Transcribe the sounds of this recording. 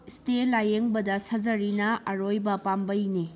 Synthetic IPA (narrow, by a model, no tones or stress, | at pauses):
stelajeŋbɐdɐsɐd͡ʒɐɾinɐɐɾojbɐpambɐjni